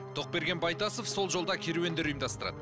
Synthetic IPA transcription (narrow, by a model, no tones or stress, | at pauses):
t̪ʰo̞q̚be̞ɾɡʲenbɑjt̪ɑsofso̞lˠʒo̞lˠd̪ɑkʲʰeɾuwe̞nd̪e̞ɾujmd̪ɑst̪əɾɑ̰d̪ə